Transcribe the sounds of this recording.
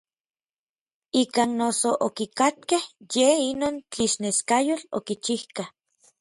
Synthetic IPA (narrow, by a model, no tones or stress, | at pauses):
ikaːnːosoʔokikat̪̚kehjeinoːnt͡ɬiʃneskajolo̰kit͡ʃihkah